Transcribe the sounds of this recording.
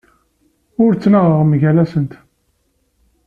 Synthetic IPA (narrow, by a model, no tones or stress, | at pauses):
ʊɾt͡sːnaʁəʁmʝælæsənt̪